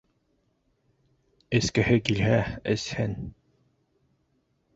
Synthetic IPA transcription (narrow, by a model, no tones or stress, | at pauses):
ɘ̆skɘ̆hɘkilɦæɘ̰̆shɘn